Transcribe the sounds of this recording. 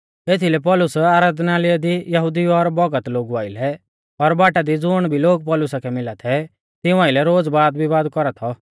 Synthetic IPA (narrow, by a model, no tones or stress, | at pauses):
eːt̪ʰilɛp̬ɔlʊsaːɾaːd̪naːliad̪ijɐɦʊd̪iɔɾbɔɡət̪loːɡuaːɪlɛ | ɔɾbaːʈad̪id͡zʊɽ̃bʱiloːɡ̚pɔːlʊsakʰɛmɪlat̪ʰɛ | t̪ɪ̃ʊ̃aːɪlɛɾoːd͡zbaːd̪bʱibaːd̪kɔɾat̪ʰɔ